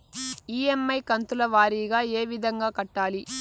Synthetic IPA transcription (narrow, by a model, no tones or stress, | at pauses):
iːemːɐjkɐnt̪ulɐʋaːɾiːɡaːeːʋid̪ʱɐŋɡaːkɐʈːaːli